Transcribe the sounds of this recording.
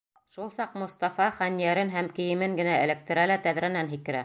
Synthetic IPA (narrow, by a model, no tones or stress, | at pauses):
ʃulˠsɑqmŏst̪ɑfɑχænjæɾɘnɦæmkɘ̆jɘ̆mɘŋɡɘ̆næɘ̆lɘ̆k̚t̪ɘ̆ɾælæt̪æðɾænænɦikɘ̆ɾæ̰